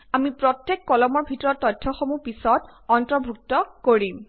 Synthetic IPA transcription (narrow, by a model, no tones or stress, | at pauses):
amipɹɔtjekːɔlɔmɔɹbʱitɔɹɔtːɔjtʰːɔxomupisɔt | ɔntɹɔbʱuk̚tɔkoɹim